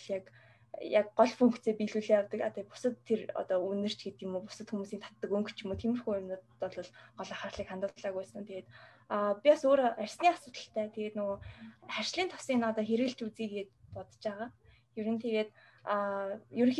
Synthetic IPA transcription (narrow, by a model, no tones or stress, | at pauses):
jak | jak̚ɢɔɮpuŋkt̪t͡seːpiɮuːɮiːjawt̪ə̆kat̪apʊ̥sə̆t̪ʰːerɔ̰t̪ɔːunːɘ̆r̥t͡ɕɡet̪imuːpʊsə̆t̪xumuːsiːnt̪ʰḁt̪ːə̆kuŋkt͡ɕʰimuːt̪ʰemɘ̆rxujn | ɔɮʊːɮɢɔɮɔ̆χarɮiːkχant̪ə̆t̪ɮaːɣujsə̆nt̪ʰeɣeːt̪ː | pʲiɔsoːɾærʲsniːasʊːt̪ə̥̆ɬt̪ʰæːt̪ʰeɣeːt̪nʊɣoːχær̥ʲt͡ɕɮiːnt̪ʰʊ̥sinɔt̪ɔːxeɾɣɘ̆ɬt͡ɕut͡siːkeːt̪̚pɔt̪t͡ɕpæːʁaː | juɾɘ̆nt̪ʰeɣeːt̪ː | jɵɾɵ̆ŋx